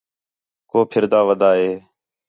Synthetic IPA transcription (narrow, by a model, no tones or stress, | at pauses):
koːpʰɪɾd̪aːʋəd̪aːɦeː